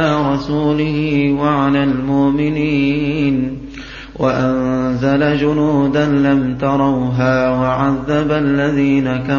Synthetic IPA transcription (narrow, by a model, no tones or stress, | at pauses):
aːɾˤɑsuːlɪhɪwaʕalaːlmʊʔmɪniːn | wʔa̰ʔanzalad͡ʒʊnuːd̪anlamt̪ɑɾˤɑwɦaːwaʕaðːabalːaðiːnaka